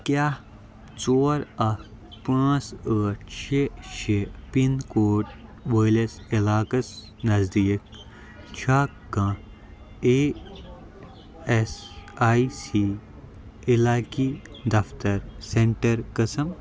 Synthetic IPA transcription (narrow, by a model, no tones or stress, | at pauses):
kaː | t͡soːɾɐ | pãːt͡səːt͡ʃʰeːt͡ʃʰeːpinkoːʈ̚ʋəːlesilaːkɐs | nɐzd̪iːk̚ | t͡ʃʰaː | ɡãː | e | esaːisi | ilaːkiːd̪ɐft̪ɐɾseɳʈɐɾkɐsɐm